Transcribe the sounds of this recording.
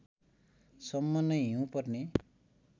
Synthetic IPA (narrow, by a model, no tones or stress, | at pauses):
sʌmːʌnːʌɦiũpʌrne